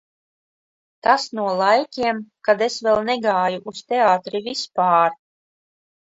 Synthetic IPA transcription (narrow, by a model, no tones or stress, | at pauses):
t̪asnuɔlˠajkʲiɛmkad̪esvɛlˠnɛɡaːjuʔust̪eaːt̪ɾivispaːɾ